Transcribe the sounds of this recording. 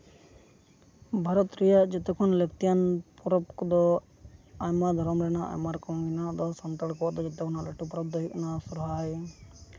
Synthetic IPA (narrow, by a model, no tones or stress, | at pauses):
bʱaɾɔt̪ɾijad͡ʒɔt̪ɛkʰɔnlekt̪ijanpɔɾɔpkd̪ɔ | ajmad̪ʱɔɾɔmɾɛnaʔa̰jmaɾkɔwɡinad̪ɔsɔnt̪əɽkɔɔd̪ɔd͡ʒɔt̪ɛkʰɔnalɛʈupɾɔb̚d̪ɔɦiʔnasuɾɦaj